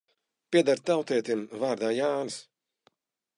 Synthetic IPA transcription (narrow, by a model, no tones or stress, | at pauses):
pʲiɛd̪aɾt̪awt̪ɛːt̪imvaːɾd̪aːjaːnɨs